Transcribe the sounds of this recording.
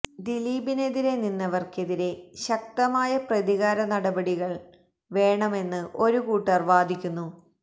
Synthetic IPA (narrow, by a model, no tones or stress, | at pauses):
d̪iliːbine̞ðiɾe̞ninːɐʋɐrke̞ðiɾe̞ɕɐk̚t̪ɐmaːjɐprɐðiɣaːɾɐnɐɽɐbɐɽiɣɐɭ | ʋe̞ːɳɐme̞nːɨʔo̞ɾukuːʈːɐrʋaːd̪ʱikʲːunːu